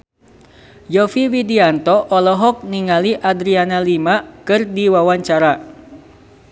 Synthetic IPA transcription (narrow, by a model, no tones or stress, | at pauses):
jɔfiwidiant̪ɔʔɔlɔɦɔk̚niŋaliʔadɾianalimakɨrdiwawaɲt͡ʃaɾa